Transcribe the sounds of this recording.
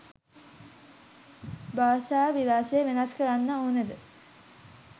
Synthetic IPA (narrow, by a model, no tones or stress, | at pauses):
baːʃaːʋilaːsejəʋenaskəɾanːəoːnəd̪ə